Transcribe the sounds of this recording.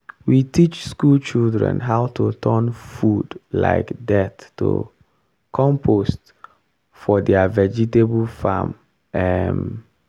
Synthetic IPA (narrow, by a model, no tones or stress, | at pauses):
witʰit͡ʃskult͡ʃildɹɛ̰̃nɦaʊtʰotʰɜnfudla̰ɪkdɛtːo̰ | kʰɔ̃mpʰost | fɔdɛavɛd͡ʒiteblfa̰m | ɛm